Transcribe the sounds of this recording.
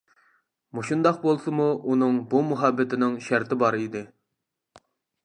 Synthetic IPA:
muʃund̪ɑqbolˠsɨmuʔunɨŋbumuɦɑbːɪt̪ʰɪnɪŋʃæɾt̪ʰɪbɑɾid̪ɪ

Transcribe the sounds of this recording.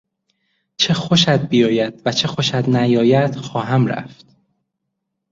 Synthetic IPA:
t͡ʃʰe̞xoʃæd̪̚bijɒːjæd̪̥væt͡ʃʰe̞xo̞ʃæd̪næjɒːjæd̪̥xɒːɦæmɾæ̰ft̪

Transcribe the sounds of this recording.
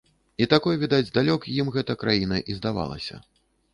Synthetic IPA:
it̪akɔjvʲid̪ad͡zʲd̪alʲɔkjimɣɛt̪ɐkɾajinɐʔizd̪ava̰lˠɐ̰sʲɐ̰

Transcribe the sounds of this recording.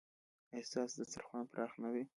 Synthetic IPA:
ehsɑsd̪əsə̰ɾxwanpɾʔɑxnawi

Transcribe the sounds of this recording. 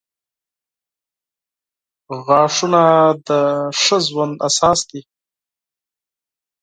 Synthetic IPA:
ɣɑːʂunad̪əʂəzwand̪asɑːsd̪i

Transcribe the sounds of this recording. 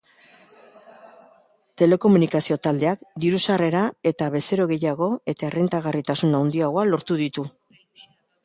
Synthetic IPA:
t̪e̞le̞ko̞munikasio̞t̪ald̪e̞akd̪iɾusare̞ɾae̞t̪aβe̞se̞ɾo̞ɣe̞jaɣ̞o̞e̞t̪aerent̪aɣarit̪asunawnd̪iaɣoalo̞ɾt̪uðit̪u

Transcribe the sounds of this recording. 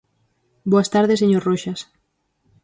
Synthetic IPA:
boɐst̪aɾðeseɲoɾroʃas

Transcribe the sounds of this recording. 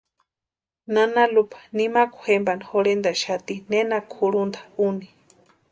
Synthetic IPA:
nanalupḁnimakuhembanxoɾend̪aʃat̪inenakʰuɾund̪ḁuni

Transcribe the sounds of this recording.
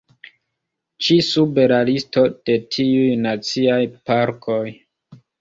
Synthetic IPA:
t͡ʃisube̞ɾalisto̞d̥e̞tʰiujnat͡siajpaɾkʰo̞j

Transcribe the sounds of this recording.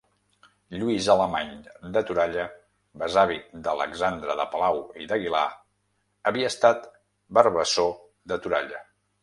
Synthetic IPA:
ʎuizələmaɲd̪ət̪uɾaʎə | bəzaβid̪ələ̰ɡzand̪ɾəðəpəlawiðəɣila̰ | əβiəːst̪at̪ | bəɾβəso | ðət̪uɾaʎə

